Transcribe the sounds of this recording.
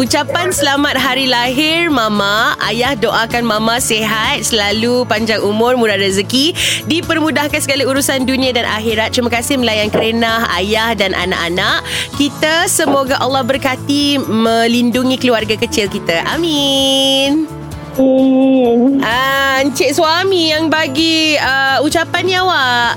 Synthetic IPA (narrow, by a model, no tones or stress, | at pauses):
ut͡ʃapansəlamat̪̚ɦaɾilaɦɪrmãmaa̰jahdoʔakanmãmãseɦat̪̚səlalupaɲd͡ʒaŋumʊrmudaɾəzəkidipərmudahkansəɡaliuɾusandunĩadanʔa̰ɦiɾat̪̚t͡ʃumakasɪhməlajankəɾenaha̰jahdanʔa̰na̰ʔanaʔkit̪asəmoɡaʔalːɔhbərkat̪imə̃linduŋikəluarɡakət͡ʃɪlkit̪aʔa̰mi | n | nʔaɲt͡ʃɪʔ̪̚swamijaŋbaɡiəut͡ʃapanɲjawaʔ